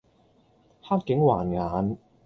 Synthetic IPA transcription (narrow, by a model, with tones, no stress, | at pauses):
haː˥k̚kɪ˨˥ŋwaː˨˩nŋaː˨˥n